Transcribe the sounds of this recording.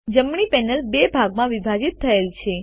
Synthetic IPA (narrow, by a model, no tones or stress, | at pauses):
d͡ʒəmɳ̃ipɛnəlbebʱaɡmãʋibʱad͡ʒit̪ʰːəelt͡ʃʰe